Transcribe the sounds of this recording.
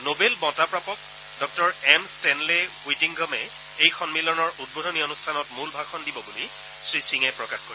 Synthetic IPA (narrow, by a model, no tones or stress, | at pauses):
nobelbɔ̃tapɹapɔk̚ | dɔk̚tɔɹɛmstɛnlewitiŋɡʱɔmɛ | ejxɔnmilɔnɔɹʔud̚bodʱɔnionustʰanɔtmulbʱakʰɔndibɔbuli | sɹisiŋɛpɹɔkaxkoɹi